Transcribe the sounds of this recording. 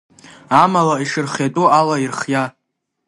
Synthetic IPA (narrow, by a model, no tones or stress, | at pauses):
amalaiʂɨrχatʼualairχja